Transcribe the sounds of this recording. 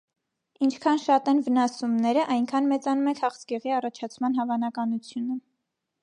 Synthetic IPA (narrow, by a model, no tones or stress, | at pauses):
int͡ʃʰkʰɑnʃɑt̪ɛnvənɑsumnɛɾəʔɑjŋkʰɑnmɛt͡sɑnumɛkʰhɑχsɡɛʁiɑrɑt͡ʃʰɑt͡sʰmɑnɦɑvɑnɑkɑnut͡sʰjunə